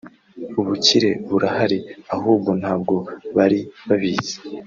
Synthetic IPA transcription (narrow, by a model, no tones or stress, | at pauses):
uβuciɾe̞βuɾahaɾiaɦuːbɡo̞nhaːb̚ɡo̞βaɾiβaβiːze̥